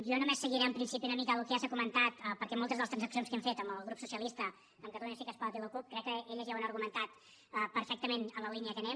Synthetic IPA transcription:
ʒɔnumesːəɣiɾɛəmpɾinsipiunəmikəəlukeazəkumənt̪at̪pəɾkɛmolˠt̪əzðəlˠst̪ɾənzəksionskɛmfet̪əmbəlˠɣɾupsusiəlist̪ə | əmkət̪əluɲəsikəspɔɾt̪iləkup̚kɾɛkːəeʎəziɛwənəɾɣumənt̪at̪ | əpəɾfɛk̚t̪əmenələliniəkənɛm

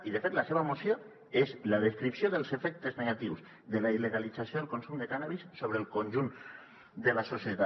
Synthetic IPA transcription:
iðəfet̪laseβamosjo | ezlaðeskɾipsjoðəlˠzefɛk̚t̪əzneɣat̪iwz | ðəlaileɣalid͡zasjoðelˠkonsumd̪ekanaβisːoβ̞ɾeːlˠkonʲʒun | d̪əlasosjət̪a

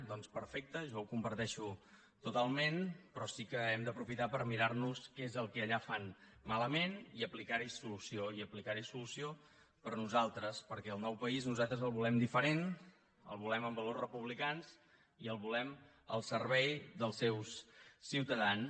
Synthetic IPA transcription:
d̪ɔnspəɾfɛk̚t̪əʒɔwkumpəɾt̪ɛʃu | t̪ut̪alˠmenpɾɔsikəɛmd̪əpɾufit̪apəɾmiɾaɾnuskezəlˠkɛʎafan | maləmeniəplikaɾisulusioiəplikaɾisulusio | pəɾnuzalˠt̪ɾəspəɾkɛəlˠnɔwpəiznuzalˠt̪ɾəzəlˠβulɛmd̪ifəɾen | ə̰lˠβulɛməmbəlorrəpuβlikanz | iəlˠβulɛm | ə̰lˠsəɾβɛjðəlˠsɛwssiwt̪əðan

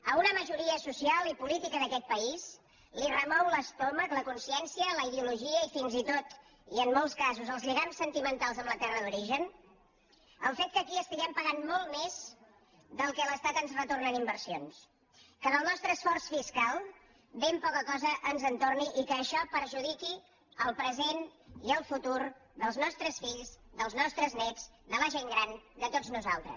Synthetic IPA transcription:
əunəməʒuɾiəsusialˠipulit̪ikəðəkɛt̪̚pəis | lirəmɔwləst̪ɔməkləkunsiɛnsiələiðiuluʒiəifinzit̪ot̪ | iənːɔlˠskazuzəlˠzʎiɣamsːənt̪imənt̪alˠzəmlət̪ɛrəðuɾiʒən | əlˠfet̪̚kəkiəst̪iɣɛmpəɣanmɔlˠtmez̥ | ðəlˠkɛləst̪at̪ənzrət̪ornənimbəɾsions | kənəlˠnɔst̪ɾəːsfɔrsfiskalˠ | bempɔkəkɔzəʔənzənt̪orniʔikəːʃɔpəɾʒuðiki | əlˠpɾəzeniəlˠfut̪uɾðəlˠznɔst̪ɾəsfiʎzðəlˠznɔst̪ɾəznɛd͡z | d̪ələʒeŋɡɾand̪ət̪od͡znuza̰lˠt̪ɾə̰s

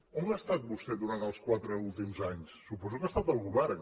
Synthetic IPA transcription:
omast̪at̪̚bust̪ɛðuɾant̪əlˠskwat̪ɾəulˠt̪imzaɲsːupɔzukast̪at̪əlˠɣuβɛɾ

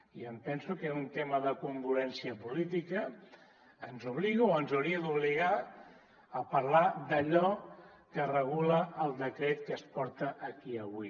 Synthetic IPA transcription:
iəmpɛnsukeunt̪eməðəkuŋɡuɾɛnsiəpulit̪ikəː | nzuβ̞liɣuoənzuwɾiəd̪uβ̞liɣ̞a | əpəɾlad̪əʎɔ | kərəɣ̞uləʔəlˠd̪əkɾet̪kəspɔɾt̪əʔəkiəβ̞ui

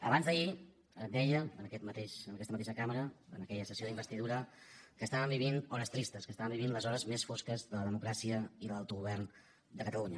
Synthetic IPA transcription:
əβanzðəi | əd̪ɛʎəənəkɛt̪mət̪eʃənəkɛst̪mət̪eʃəkaməɾəənəkɛʎəsəsioðimbəst̪iðuɾəkəːst̪aβəmbiβinɔɾəst̪ɾist̪əskəst̪aβəmbiβinləzɔɾəzmesfoskəzðələðəmukɾasiəiðəlalˠt̪uɣuβɛrn | d̪əkət̪əluɲə

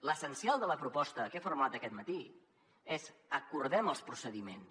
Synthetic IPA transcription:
ləsənsialˠd̪ələpɾupɔst̪əkefurmat̪əkɛt̪mət̪i | ezəkurðɛməlˠspɾusəðimens

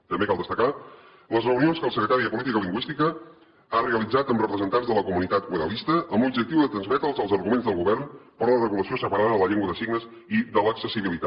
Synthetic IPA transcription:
t̪əmbekalˠd̪əst̪əka | ləzrəunionskəlˠsəkɾət̪aɾiəpulit̪ikəliŋɡwist̪ikə | areəlid͡zat̪əmrəpɾəzənt̪anzðələkumunit̪at̪̚ɣwəðə̰list̪əʔəmbubʒək̚t̪iwðət̪ɾənzmɛt̪əlˠzəlˠzəɾɣumenzðəlˠɣuβɛrnpəɾlərəɣuləsiosəpəɾaðəðələʎeŋɡwəðəsiɡnəz | iðələksəsiβilit̪a

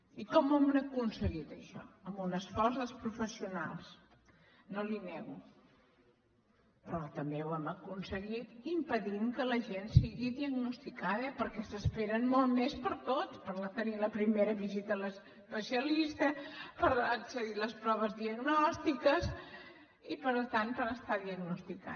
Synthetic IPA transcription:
ikɔmɛmnəkunsəɣit̪əʃɔ̰əmbunəsfɔrzðəlˠspɾufəsiuna̰lˠs | nolinɛɣu | pɾɔt̪əmbewɛməkunsəɣit̪impəðimkələʒensiɣiðiəɡnust̪ikaðəpəɾkɛsəspeɾənmolˠmespəɾt̪ot͡sspəɾlət̪əniləpɾimeɾəβizit̪ələs | pəsiəlist̪əpəɾəksəðiləspɾɔβ̞əzðiəɡnɔst̪ikəs | ipəɾlt̪anpəɾəst̪aðiəɡnust̪ika̰

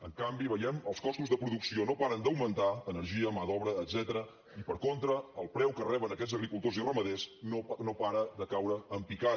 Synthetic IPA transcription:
əŋkambiβəjɛməlˠskɔst̪uzðəpɾuðuksionopaɾənd̪əwmənt̪aənəɾʒiəmaðɔβɾəːd̪zɛt̪əɾə | ipəɾkont̪ɾəːlˠpɾɛwkərɛβənəkɛzəɣɾikulˠt̪ozirəməðesonopaɾəd̪əkawɾəːmpika

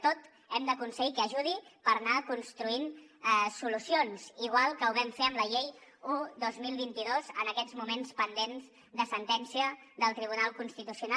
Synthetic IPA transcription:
t̪ot̪ | ɛmd̪əkunsəɣikəəʒuð̞ipəɾnakunst̪ɾuinɛsulusionz̥iɣ̞walˠkəuβɛmfeəmləʎejud̪ozmilˠβint̪iðozə̰nəkɛzmumenspənd̪enz | d̪əsənt̪ɛnsiə | ðəlˠt̪ɾiβunalˠkunst̪it̪usiuna

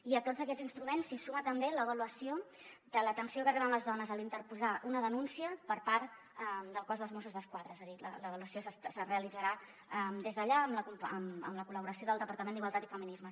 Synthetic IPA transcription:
iət̪od͡zzəkɛd͡zzinst̪ɾumensːisumət̪əmbeləβəluəsio | d̪̥ələt̪ənsiokəriβənləzðɔnəzəlint̪əɾpuzaʔunəðənunsiəpəɾpaɾt̪ | əd̪əlˠkɔzðəlzmosuzðəskwaðɾəezəðilə̰ləβ̞əluəsiosəssəreəlid͡zəɾa | əmd̪ezðəʎaəmləkumpəmə̰mləkuləβuɾəsijoðəlˠd̪əpəɾt̪əmẽnd̪iɣwalˠt̪at̪ifəminizmə

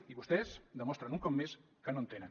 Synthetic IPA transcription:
iβust̪ɛzd̪əmɔst̪ɾənuŋkɔmːes | kənont̪enən

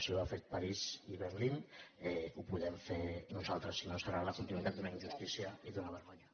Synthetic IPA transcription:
sioafet̪̚paɾiziβəɾlinɛupuðɛɱfenuzalˠt̪ɾəsːinosəɾalakunt̪inuit̪at̪d̪unaiɲʒust̪isiaiðunaβəɾɣoɲa

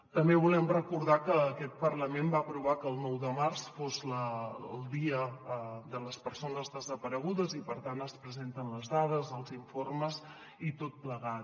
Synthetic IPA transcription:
t̪əmbeβulɛmrəkuɾð̞akəːkɛt̪̚pərləmembaəpɾuβ̞akəːlˠnɔwðəmarsfozləːlˠd̪iəd̪ələspəɾsonəzðəzəpəɾəɣ̞uðəzipəɾt̪anəspɾəzent̪ənləzðað̞əzəlˠziɱforməz | it̪ot̪̚pləɣat̪̚

